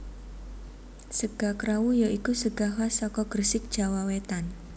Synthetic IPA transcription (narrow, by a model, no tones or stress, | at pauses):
səɡ̥akɾawujaʔikusəɡ̥aɦasɔkɔɡ̥ərsɪk̚d̥ʒ̥a̤wawet̪an